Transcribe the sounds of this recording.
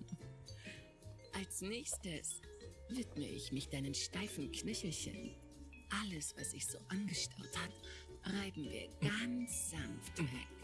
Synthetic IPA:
ʔalsnɛːçstəs | vɪtmə̰ʔɪ̰çmɪçd̥aɪnəmʃtaɪfn̩kʰnʏçl̩çə̰n | ʔaləsv̥asɪçz̥o̰ːʔanɡəʃtaʊthat | ʁaɪbm̩vḭːɐɡ̥ant͡sz̥anfta̰

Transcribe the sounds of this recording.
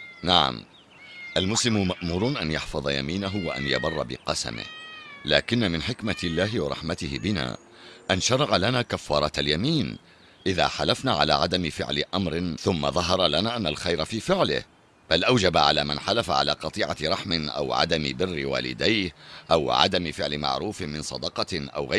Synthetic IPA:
naʕa̰m | ʔalmʊslɪmʊmaʔmuːɾˤnʔanjɑħfɑðˤɑja̰miːnaɦʊwaʔa̰njabɑrˤːɑbɪ̰qɑsa̰mɪ̰hlaːkɪnːamɪnħɪkmaɪlːaːɦɪwɑɾˤɑ̰ħmat̪ɪhɪbɪna̰ː | ʔanʃɑɾˤɑʕalanaːkafːɑːɾˤɑaljamiːn | ʔɪða̰ːħalafnaːʕala̰ːʕad̪amɪfɪ̰ʕlɪʔamɾɪθʊmːa̰ðˤɑɦɑɾˤɑlanaːʔanːalxajɾafiːfɪʕlɪ̰h | b̥alʔawd͡ʒabaʕalaːmanħalafaʕa̰laːqɑt̪ˤiːʕaɾˤɑħmɪnʔa̰wʕa̰d̪amɪ̰bɪrːɪwa̰ːlɪ̰d̪ajhʔawʕa̰d̪amɪfɪʕlɪma̰ʕɾuːfɪmɪnsˤɑd̪ɑqɑʔa̰wɣa

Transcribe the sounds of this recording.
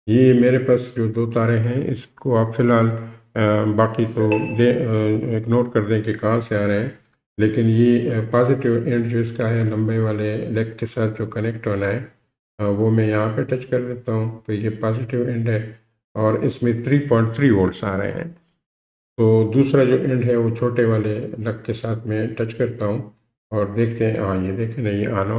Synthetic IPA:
jemeːɾepaːsd͡ʒoːd̪oːt̪aːɾeɦɛ̃ɪ̰skoaːpfɪlɦaːl | baːqit̪oleɪknoːʈkɐɾd̪ẽkekãːmseaːɾəɦɛ̃ | leːkɪnjepaːzɪʈɪʋɛ̃ɳɖd͡ʒoːɪskaɦɛlɐ̃mbeʋaːlelɛːk̚kesaːt̪ʰd͡ʒoːkɐnɛk̚ʈɦoːnaɦɛ | ʋomɛ̃jɐɦãpeʈɐt͡ʃkɐɾd̪eːt̪aɦũt̪ojepaːzɪʈɪʋɛ̃ɳɖɦɛ | ɔːɾɪ̰smẽt̪ʰɾiːpɔ̃ːɪ̃ɳʈ̚t̪ʰɾiːʋoːɾɖsaːɾə̰ɦḛ̃ɦɛ̰̃ː | t̪oːd̪uːsɾad͡ʒoːʔɛ̃ɳɖɦɛʋot͡ʃʰoːʈeʋaːlelɐk̚ːesaːt̪ʰmɛ̃ʈɐt͡ʃkɐɾt̪aɦũ | ɔːɾd̪eːkʰt̪eɦɛ̃ɦãjed̪eːkʰẽnɐɦĩaːno

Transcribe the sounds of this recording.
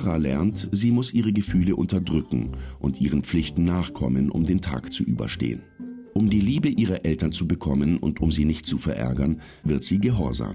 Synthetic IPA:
ʁalɛɐntz̥iːmʊsʔiːʁ̞əɡəfyːləʔʊntɐdʁʏkŋ̩ʔʊntʔiːʁ̞ənp͡flɪçtn̩naːχkʰɔmənʔʊ̰mdeːntʰa̰ːkt͡suʔyːbɐ̰ʃtḛːə̰nʔʊmdiːliːbəʔiːʁɐʔɛltɐnt͡subəkʰɔmənʊ̰ntʊmziːnɪçt̚t͡sufɛɐʔɛ̰ɐɡɐn | vɪɐtz̥iːɡəɦɔɐza̰ːm

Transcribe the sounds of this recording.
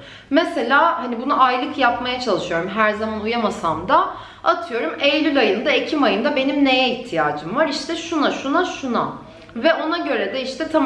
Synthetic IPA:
mɛse̞lʲaːhanibunuʔajlˠɯkʰjapmajat͡ʃʰalˠɯʃɯjo̞ɾumɦæɾzamanujamasamd̪a | at̪ʰɯjo̞ɾumejlʲylʲajɯnd̪aecʰimajɯnd̪abe̞nimnejɛiçht̪ʰijaːd͡ʒɯmvaɾiʃt̪ʰɛʃunaʃunaʃuna | vɛo̞naɟø̞ɾɛd̪ɛiʃt̪ʰɛt̪ʰa

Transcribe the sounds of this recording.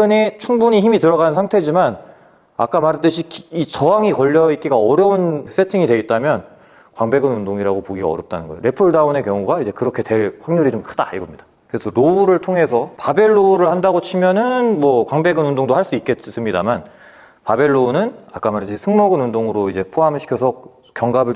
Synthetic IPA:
ɯnet͡ɕʰuŋbuɲiçimitɯɾʌɣanɯnsʰaŋtʰe̞d͡ʑiman | a̰k͈amaɾt͈ɯɕʰikit͡ɕʌwaŋikʌʎːʌik͈iɡaʌɾjʌuns͈ʰe̞tʰiŋidwe̞it̚t͈amjʌn | kwaŋbe̞ɡɯnundoŋiɾaɡopoɡiɡa̰ʌɾjʌp̚t͈anɯnɡʌeo̰ɾe̞pʰuɭdaune̞kjʌŋuɡaid͡ʑe̞kɯɾʌkʰe̞te̞ɭɸwaŋɲuɾit͡ɕomkʰɯdaiɡʌmɲid̥a | kɯɾesʰʌɾouɾɯɭtʰoŋɦe̞sʰʌpabe̞ɭːoɾɯɭhandaɡot͡ɕʰimjʌnɯnmwʌkwaŋbe̞ɡɯnundoŋdohaɭs͈uik͈̚e̞s͈ɯmɲidaman | pabe̞ɭːonɯna̰k͈amaɾt͈ɯɕʰisʰɯŋmʌɡɯnundoŋɯɾoid͡ʑe̞pʰoɦamɕʰi̥kʰʌsʰʌ | kjʌŋɡabɯɭ

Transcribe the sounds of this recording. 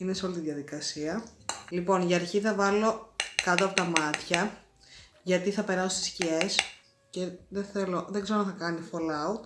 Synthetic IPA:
ineseolit̪iðʝɐðikɐsiɐlipo̞nʝɐɾçiθɐvɐlo̞kɐt̪oɐpo̞t̪ɐmɐt̪çɐ | ʝɐt̪iθɐpe̞ɾɐso̥st̪i̥scie̞s | ce̞ðeθe̞lo̞ðeɡze̞ɾoɐθɐkɐnifolɐut̪

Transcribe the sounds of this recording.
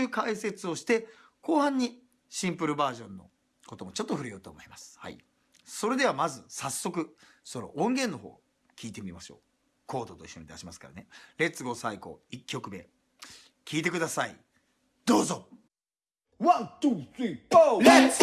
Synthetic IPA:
ɯːkaise̞t͡sɨo̞ɕi̥t̪e̞ | ko̞ːhãɲ̟ːi | ɕĩmpɯ̟ɾɯ̟baːʑõ̞nːo̞̰ | ko̞t̪o̞mo̞t͡ɕo̞t̪ːo̞ɸɯ̟ɾejo̞ːt̪o̰ːmo̞imasɨ̥ha̰ḭ | so̞ɾe̞d̪e̞βamazɨsasːo̞kɯ̟ | so̞ɾo̞̰ʔõŋɡẽ̞nːo̞ɦo̞̰ː | kʲiːt̪e̞mʲimaɕo̞̰ː | kʰo̞ːd̪o̞t̪oiɕːo̞̰ɲ̟id̪aɕimasɨ̥ka̰ɾa̰ne̞ɾe̞t͡sɨɡo̞saiko̞̰ikʲːo̞kɯ̟be̞̰ | kʲʰiːt̪e̞kɯ̟d̪asaḭ | d̪̥o̞ːzo | βat̪usie

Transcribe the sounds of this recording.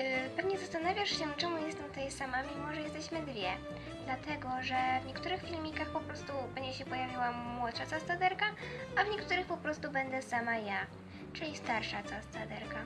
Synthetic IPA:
pɛvɲɛzast̪anavʲjaʂɕɛt͡ʂɛmujɛst̪ɛmt̪ɔjsamamʲimɔʐɛjɛst̪ɛɕmɘd̪vʲjɛ | d̪̥lat̪ɛɡɔʐɛvɲɛkt̪uɾɘxfʲilmʲikaxpɔpɾɔst̪ubɛɲd͡ʑɛɕɛpɔjavʲiwamwɔt̪ʂat̪sast̪ad̪ɛɾkaavɲɛkt̪uɾɘxpɔpɾɔst̪ubɛnd̪ɛsamaja | t͡ʂɘlʲist̪aɾʂat̪sast̪ad̪ɛɾka

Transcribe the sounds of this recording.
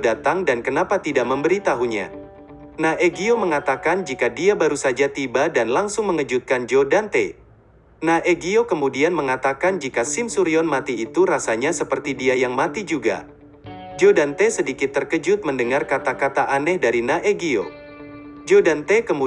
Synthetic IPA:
dat̪aŋdankənapat̪idaʔməmbəɾit̪aɦuɲa̰ | naʔeɡioməŋat̪akand͡ʒikadiabaɾusad͡ʒat̪ibadanlaŋsʊŋməŋəd͡ʒut̪̚kand͡ʒodant̪ḛ | naʔeɡiokəmudianməŋat̪akand͡ʒikasɪmsuɾiɔnmat̪iːt̪uɾasaɲasəpərt̪idiajaŋmat̪id͡ʒuɡa̰ | d͡ʒodant̪esədikɪt̪ːərkəd͡ʒʊt̪̚məndəŋarkat̪akat̪aʔanɛhdaɾinaʔeɡio̰ | d͡ʒodant̪ekəmu

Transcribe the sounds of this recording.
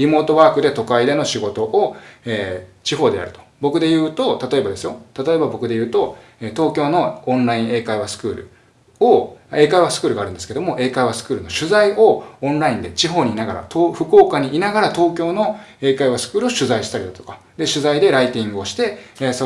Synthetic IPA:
ɾʲimo̞ːt̪o̞βaːkɯ̟d̪e̞t̪o̞kaid̪e̞no̞ɕiɡo̞t̪o̞ʔoeːt͡ɕiɦo̞ːd̪e̞ja̰ɾɯ̟t̪o̥bo̞kɯ̟d̪e̞jɯ̟ːt̪o̞t̪at̪o̞e̞bad̪e̞sɨjo̞t̪at̪o̞e̞babo̞kɯ̟d̪e̞jɯ̟ːt̪o̞eːt̪o̞ːkʲo̞ːno̞õnɾaĩɰ̃e̞ːkaiβ̞asɨ̥kɯ̟ːɾɯ̟̰ | oe̞ːkaiβasɨ̥kɯ̟ɾɯ̟ɡaːɾɯ̟̃nd̪esked̪o̞moʔe̞ːkaiβasɨ̥kɯ̟ːɾɯ̟no̞ɕɨzaioõnɾaĩnd̪e̞t͡ɕiɦo̞ːɲ̟inaɡaɾa̰t̪oːɸɯ̟ko̞ːkaɲ̟iːnaɡaɾat̪o̞ːkʲo̞ːno̞e̞ːkaiβasɨ̥kɯːɾɯ̟o̞ɕɨzaiɕi̥t̪aɾid̪at̪okḁ | d̪e̞ɕɨzaid̪e̞ɾait̪ʲĩŋɡɯo̞ɕi̥t̪e̞so

